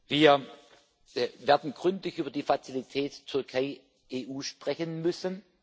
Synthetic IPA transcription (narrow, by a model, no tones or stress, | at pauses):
viːɐ | veːɐdn̩ɡ̥ʁʏntlɪçʔyːbɐdiːfat͡silitʰɛːttʰʏɐkʰaɪ | ʔeːʔuːʃpʁ̥ɛçənmʏsən